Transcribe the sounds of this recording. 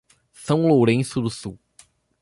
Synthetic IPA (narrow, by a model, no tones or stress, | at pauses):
sɐ̃w̃lowɾẽsʊd̪ʊsuw